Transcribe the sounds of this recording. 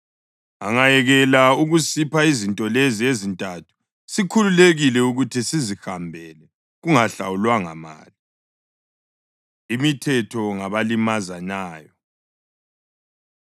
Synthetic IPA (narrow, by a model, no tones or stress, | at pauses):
aŋajɛɣɛlauɣusipʰaizintʼɔleziezintʼatʰu̥ | sikʰululeɣilɛuɣutʰisizihambʱɛlɛ | ɣuŋaɬa̰wulwaŋa̰ma̰ːli | imitʰɛtʰɔŋaβalimazanaːjɔ